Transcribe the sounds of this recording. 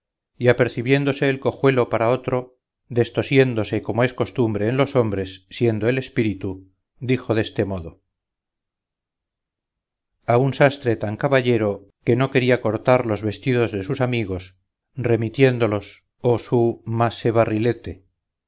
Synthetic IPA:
iape̞ɾθiβje̞nd̪o̞se̞ːlko̞xwe̞lo̞paɾao̞t̪ɾo̞ | ðe̞st̪o̞sje̞nd̪o̞se̞ko̞moe̞sko̞st̪umbɾe̞ːnlo̞so̞mbɾe̞sːje̞nd̪oele̞spiɾit̪u | d̪ixo̞ðe̞st̪e̞mo̞ðo̞ | aunsast̪ɾe̞t̪aŋkaβaʎe̞ɾo̞ | ke̞no̞ke̞ɾiako̞ɾt̪aɾlo̞zβe̞st̪iðo̞zðe̞susamiɣ̞o̞s | re̞mit̪je̞nd̪o̞lo̞s | osumase̞βarile̞t̪e̞

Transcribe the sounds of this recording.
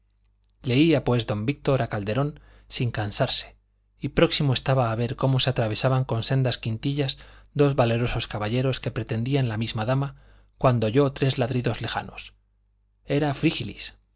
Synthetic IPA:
le̞iapwe̞zðo̞mbik̚t̪o̞ɾakald̪e̞ɾo̞n | siŋkansaɾse̞̥ | ipɾo̞ksimoe̞st̪aβaːβ̞e̞ɾko̞mo̞seat̪ɾaβ̞e̞saβaŋko̞nse̞nd̪askint̪iʎazd̪o̞zβale̞ɾo̞so̞skaβaʎe̞ɾo̞ske̞pɾe̞t̪e̞nd̪ianlamizmaðama | kwand̪o̞ʝo̞t̪ɾe̞zlaðɾiðo̞zle̞xa̰no̞s | e̞ɾafɾixilḭs

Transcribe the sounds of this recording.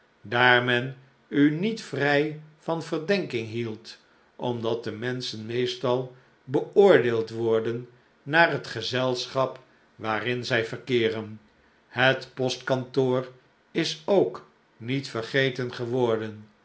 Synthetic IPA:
daːɹmɛn | ynitfrɛjvɑnvərdɛŋkɪŋɦilˠt | ʔɔmdɑt̚dəmɛnsənmejstɑlˠ | bəʊːɹdeːlˠtʋɔɹdənː | aːrɦətχəzɛlˠsχɑp | ʋaːrɪnzɛjvərkɪːrən | hətpɔstkɑntoːr | ɪsowk | nitfərχejtənχəʋɔɹdən

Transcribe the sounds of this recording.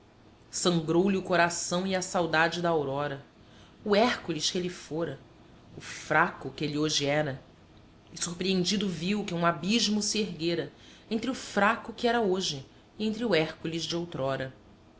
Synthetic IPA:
sɐ̃ŋɡɾowliʊkoɾasɐ̃w̃iɐsawd̪ad͡ʒɪd̪ɐaawɾɔɾɐ | ʊɛhkulɪʃkelɪfoɾɐ | ʊfɾakʊkelioʒɪɛɾɐ | ɪsuhpɾiẽnd͡ʒid̪ʊviwkɪũabiʒmʊsieɦɡeɾɐ | ẽnt̪ɾɪʊfɾakʊkɪɛɾɐoʒɪː | ẽnt̪ɾɪʊɛhkulɪzd͡ʒɪowt̪ɾɔɾɐ

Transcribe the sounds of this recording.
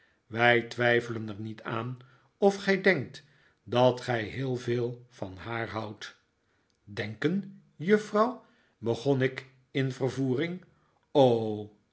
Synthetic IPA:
ʋɛjtʋɛjfələnɛɹnitʰaːn | ɔfχɛjdɛŋk̚t | dɑtχɛjɦɪːlˠveːlˠvɑnɦaːɹɦʌwt | dɛŋkən | jɵfrɑw | bəχɔnɪk | ɪnvərvuːrɪŋ | o

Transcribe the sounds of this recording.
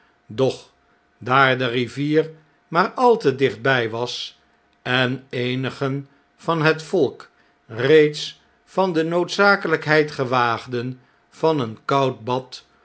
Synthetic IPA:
dɔχ | daːɹdəriviːr | maːɹɑlˠtədɪχd̚bɛjʋɑs | ɛnejnəχən | v̥ɑnɦətfɔlˠk | rejts | fɑndənowtsaːkələkɦɛjtχəʋaːχdən | v̥ɑnənkɑwt̚bɑt

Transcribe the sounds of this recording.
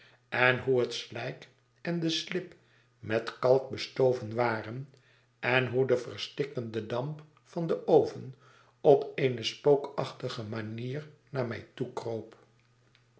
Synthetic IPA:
ɛnɦuɦətslɛjk | ɛndəslɪp | mɛtkɑlˠk̚bəstowvənʋaːrən | ɛnɦudəvərstɪkəndədɑmp | fɑndəʔowvən | ɔpeɪnəspowkɑχtəχəmaniːrnaːɹmɛ̰jtukrowp

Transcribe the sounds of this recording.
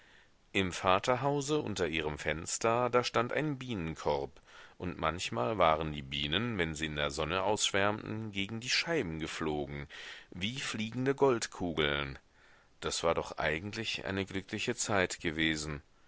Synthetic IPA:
ʔɪmfaːtɐɦaʊzəʔʊ̰ntɐʔiːʁ̞əmfɛnstɐdaːɐʃtantʔa̰ɪnbiːnənkʰɔʁpʔʊntma̰nçmaːlvaːʁəndiːbiːnənvɛnziːɪndeːɐzɔnəʔaʊsʃv̥ɛɐmtn̩ɡeːɡŋ̩diːʃaɪbm̩ɡəfloːɡŋ̩viːfliːɡŋ̩dəɡɔltkʰuːɡl̩n | d̥asv̥aːɐdɔχʔa̰ɪɡŋ̩tʰlɪçʔa̰ɪnəɡlʏklɪçət͡saɪtɡ̥əveːzn̩

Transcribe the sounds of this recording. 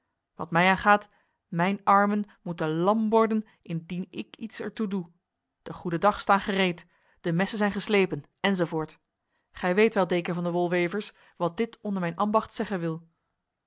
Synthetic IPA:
ʋɑtmɛjaːnχaːt | mɛjnɑɹmən | mutəlɑmʋɔɹdən | ɪndinɪ̰kitsɛɹtudu | d̥əχudədɑχstaːnχərejt | d̥əmɛsənzɛjnχəslejpən | ɛnzovoːɹt | χɛjʋejtʋɛlˠdejkəɹvɑndəʋɔlˠʋejvəɹs | ʋɑt̚dɪtɔndəɹmɛjnʔambɑχtsɛχənʋɪlˠ

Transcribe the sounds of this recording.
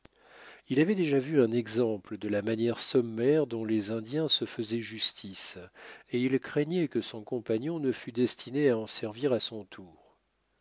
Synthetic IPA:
ilavɛd̪eʒavyɛ̃nɛɡzɑ̃pləd̪əlamanjɛʁsɔmːɛʁd̪ɔ̃lezɛ̃d̪jɛ̃səfəzɛʒyst̪ʰiseilkχɛɲɛkəsɔ̃kɔ̃paɲɔ̃nəfyd̪ɛst̪ʰineaɑ̃sɛʁviʁasɔ̃t̪ʰuːʁ

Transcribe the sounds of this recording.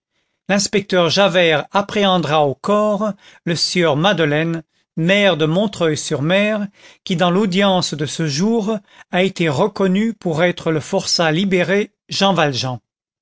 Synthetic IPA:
lɛ̃spɛk̚t̪œʁʒavɛʁapχeɑ̃d̪ʁaokɔʁ | ləsjœʁmad̪əlɛn | mɛʁd̪əmɔ̃t̪χœjsyʁmɛʁkʲid̪ɑ̃lod̪jɑ̃sd̪əsəʒuːʁaet̪eʁəkɔnypuʁɛt̪χələfɔʁsalibeʁe | ʒɑ̃valʒɑ̃

